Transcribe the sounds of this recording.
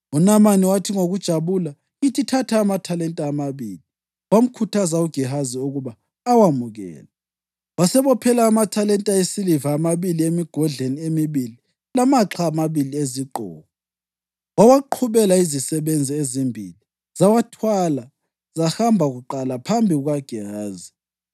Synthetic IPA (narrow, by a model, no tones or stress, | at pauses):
unamaniwatʰiŋoɣud̥ʒ̥ʱaβula | ɣitʰitʰatʰaːmatʰalɛntʼaːmaβiːli | wam̩kʰutʰazauɡ̥ʱiɦaziuɣuβaː | wamuɣɛ̰ːla | wasɛβɔpʰɛlaːmatʰalɛntʼaesilivaːmaβiliemiɡ̥ʱɔɮeniemiβili | lamaǁʰaːmaβilieziǃʱɔ̰ːɣɔ | wawaǃʰuβɛlaizisɛβend͡zʱiezimbʱili | zawatʰwala | zahambʱaɣuǃalapʰambʱiɣwaɡ̥ʱɛhaːzi